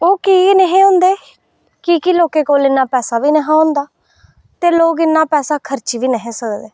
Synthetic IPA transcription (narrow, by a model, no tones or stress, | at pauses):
oːkiːnəɦẽːʊ̃ːnd̪eː | kikiloːkeːkoːlɪnːaːpɛːsaːʋiːnəɦãːɦʊ̃nd̪aː | t̪eːloːkɪnːaːpɛːsaːkʰəɾt͡ʃiːʋiːnəɦẽːsəkd̪ḛː